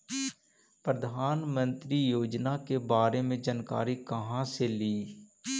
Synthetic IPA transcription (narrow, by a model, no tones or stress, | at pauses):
pɾəd̪ʱaːnmə̃nt̪ɾiːjoːd͡ʒnaːkebaːɾeːmẽd͡ʒənka̰ːɾiːkəɦãːseliː